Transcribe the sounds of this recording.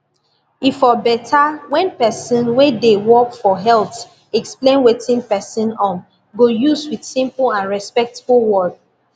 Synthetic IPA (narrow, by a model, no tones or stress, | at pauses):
ifɔbɛtʰawɛ̃npɛsə̃nwedewɔkfɔɦɛlt | ɛksplẽnwetĩnpɛsə̃nɔ̃m | ɡojuswidsĩmpl̩ãnɹɛspɛk̚tblˠwɔd